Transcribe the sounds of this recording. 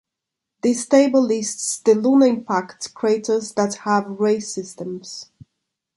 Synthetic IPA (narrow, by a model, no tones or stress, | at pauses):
ðisteɪbəlɪstsðəlunəɪ̃mpʰaktkʰɹ̥eɪtə˞zðəthəvɹeɪsɪstə̃mz̥